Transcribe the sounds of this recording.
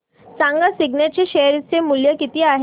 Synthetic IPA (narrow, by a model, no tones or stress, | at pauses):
saŋɡasiɡnjat͡ɕeɕeɾit͡semuljəkit̪iːaɦ